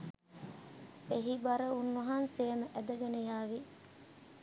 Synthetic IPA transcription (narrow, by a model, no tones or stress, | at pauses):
eɦibɐɾɐunːuɦanseːmɐʔæd̪ɐɡɐnejaːʋi